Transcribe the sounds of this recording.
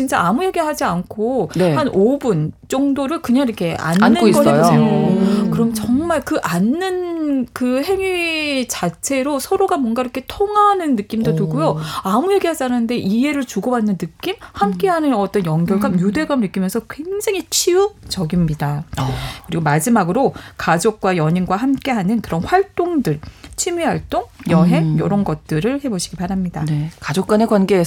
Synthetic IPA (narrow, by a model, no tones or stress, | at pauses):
t͡ɕint͡ɕ͈aamujeɡiɦad͡ʑiankʰonehanʔobunt͡ɕ͈ʌŋdoɾɯɭkɯɲaŋiɾʌkʰe̞ʔa̰nnanːɯkoiɡʌɾ͈seʌj | kɯɾʌmt͡ɕʌŋmaɭkɯʔanːɯnkɯhe̞ŋɥit͡ɕat͡ɕʰe̞ɾosʰʌɾoɡamwʌnɡaiɾʌkʰe̞tʰoŋanɯnːɯk͈imdotuɡujoamujeɡiɦad͡ʑaɾanɯnde̞ʔie̞ɾɯɭt͡ɕuɡʌbanːɯnːɯk͈imhamk͈e̞ɦanɯnʌt͈ʌnjʌŋdjʌɭɡamjude̞ɡamɭnɯk͈imjʌnsʰʌkwe̞ŋd͡ʑaŋit͡ɕʰiɯt͡ɕʌɡimɲidakɯɾiɡomad͡ʑimaɡɯɾokad͡ʑok̚k͈wajʌɲinɡwaɦamk͈e̞ɦanɯnkɯɾʌnɸwaɭt͈oŋdɯɭt͡ɕʰimiɦaɭt͈oŋjʌɦe̞ŋjʌɾʌnɡʌt̚t͈ɯɾɯɭhe̞boɕʰi̥ɡipaɾɦamɲida̰kad͡ʑok͈̚anekwanɡeː